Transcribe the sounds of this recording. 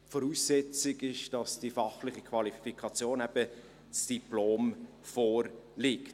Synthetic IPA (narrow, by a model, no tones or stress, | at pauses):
fɔɾuːsːɛt͡sɪɡɪʃd̥ɑsd̥ifɑχlɪχikʰvɑlifikʰɑt͡sjoːnɛb̥ə | t͡sd̥iploːm | fɔːɾlɪkt